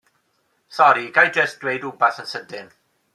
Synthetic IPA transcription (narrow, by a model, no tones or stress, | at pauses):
sɔɾiɡ̥ajd͡ʒəsd̥wejduːbaθənsədɪn